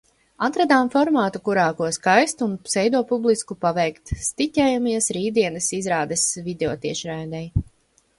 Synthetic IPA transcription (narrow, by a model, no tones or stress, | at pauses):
at̪ɾad̪aːmfɔɾmaːt̪ukuɾaːkuɔskajst̪unsɛjd̪uɔpublˠiskupavɛjkt̪st̪icʲɛjamiɛsɾiːd̪iɛnɨsizɾaːd̪ɛsvid̪eɔːt̪iɛʃɾajd̪ɛj